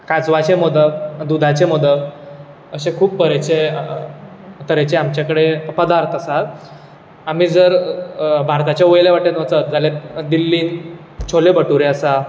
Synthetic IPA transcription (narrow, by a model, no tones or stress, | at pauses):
kat͡sʋat͡ɕemɔd̪əbd̪ud̪ʱat͡ɕemɔd̪əb | əɕẽkʰuːbpəɾet͡ɕe | t̪əɾet͡ɕeamt͡ɕjakəɽepəd̪aɾt̪ʰəsat̪ | am̤iːd͡zəɾbʱaɾt̪at͡ɕaʋojleʋaʈenʋət͡sat̪̚d͡zaled̪ilːiːn | t͡ɕʰolebəʈuɾẽəsa